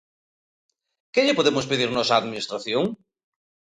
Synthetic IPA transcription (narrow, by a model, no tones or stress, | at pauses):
kɪʎɪpoðemʊspeðiɾnɔsaːðminist̪ɾaθjoŋ